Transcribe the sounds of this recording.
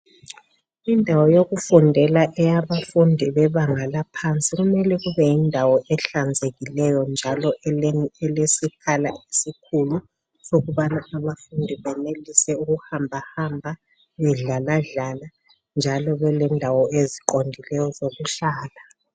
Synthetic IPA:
indʱawɔjoɣufundʱɛlaʔɛjaβafundʱiβɛβaŋalapʰant͡sʼiɣumɛlɛɣuβɛjindʱawɔʔɛɬand͡zʱeɣilɛjɔnd͡ʒʱalɔɛlesikʰalaesikʰulu | soɣuβanaːβafundʱiβɛnelisɛuɣuhambʱahambʱa | βɛɮalaɮala | nd͡ʒʱalɔβɛlɛndʱawɔeziǃondʱilɛjɔzoɣuɬaːla

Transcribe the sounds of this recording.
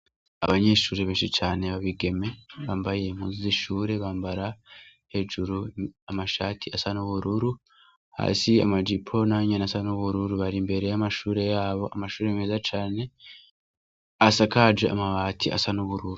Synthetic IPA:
a̰βaɲe̞ʃuːɾeβeːnʃit͡ʃaːne̞βaβiɡe̞me̞βaːmbaje̞m̥uːnziziʃuːɾe̞βaːmbaɾahe̞ːd͡ʒuɾuamaʃa̰tʰiʔasanuβuɾuɾu | ha̰ːsia̰mad͡ʒipʰo̞naɲanasanuβuɾuɾuβaɾimbe̞ɾe̞jamaʃuːɾe̞jaːβo̞amaʃuːɾemezat͡ʃaːne̞ | asakad͡ʒweʔa̰maβaːtʰiʔa̰sanuβuɾuɾu

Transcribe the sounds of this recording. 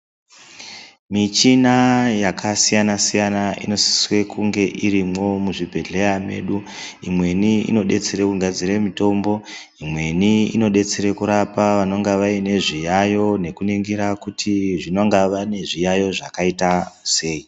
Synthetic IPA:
mit͡ʃinajakʰasijanasijanaʔḭno̞si̥swe̞kuŋɡe̞ʔiɾimo̞muʐibʱe̞ɮe̞jame̞̰ːɗu | imwe̞niḭno̞ɗe̞t͡seɾekuɡʱad͡ziremito̞mbo̞ | imwe̞niḭno̞ɗe̞t͡se̞ɾekuɾapaʋanoŋɡaʋaine̞ʐijajo̞ne̞kuniŋɡiɾakutʰiʐinoŋɡaʋane̞ʐijajo̞ʐakaitase̞ːi

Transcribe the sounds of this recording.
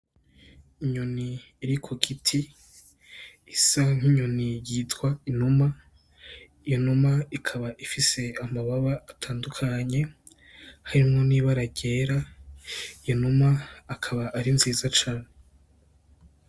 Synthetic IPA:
iɲo̞niː | ɾikʰo̞ɡitʰi | saŋ̥hiɲo̞nijiːtwainuma | ijonumaikʰaβaʔifise̞amaβaβaːtʰaːndukʰaɲe̞ | haɾimŋo̞niβaɾaɟeːɾa | ijonumaːkʰaβaʔːɾinziːzat͡ʃaːne

